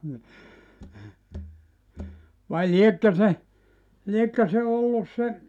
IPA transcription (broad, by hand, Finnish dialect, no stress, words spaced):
ni ʋɑi liekːø se liekːø se olːus se